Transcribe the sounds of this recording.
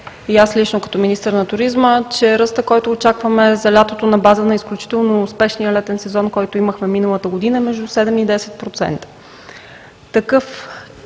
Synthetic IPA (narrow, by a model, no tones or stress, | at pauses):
iaslit͡ʃnokɐ̥t̪ɔminist̪əɾnɐt̪ʊɾizmət͡ʃɛɾəst̪əkɔjt̪oːt͡ʃakvəmɛzɐlʲat̪ot̪onɐbazənɐisklʲut͡ʃi̥t̪ɛlˠnoːspɛʃnijəlɛt̪ɛnsɛzɔnkɔjt̪oiməxmɛminəlˠət̪əɡod̪inəmɛʒd̪usɛd̪ɛmid̪ɛsɛt̪̚pɾot̪sɛ̰nt̪ə̥ | t̪ɐkɤf